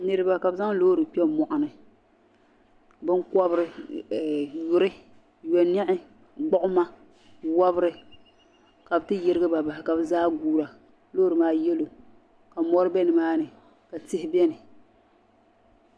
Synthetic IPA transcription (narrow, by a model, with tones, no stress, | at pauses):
nɨ˨ɾɨ˦ba˨ka˨bɨ˦za˦ŋ˦loː˦ɾɨ˨pi˦ɛ˦mɔ˨ʔʊ˨nɨ˨ | bɨ˦ŋkɔ˦bɾɪ˦˨ | jʊ˨ɾɨ˦ | jɔ˨nɛ˦ʔɪ˦ | ɡ͡bɔ˦ʔʊ˦ma˦ | wa˦bɾɨ˦ | ka˨bɨ˦tɨ˦jɪ˦ɾɨ˦ɡɨ˦ba˨ba˨hɪ˨ka˨bɨ˦zaː˦ɡuː˦ɾa˨ | loː˦ɾɨ˨maː˦jɛ˦lo˨ | ka˨mɔ˦ɾɨ˦bɛ˦nɨ˨maː˦nɨ˨ | ka˨tɪ˦hɪ˦bɛ˦nɨ˨